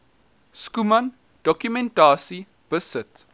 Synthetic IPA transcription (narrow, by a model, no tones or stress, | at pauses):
skumɐn | d̥ɔkjumɛ̃ntaːsi | b̥əsət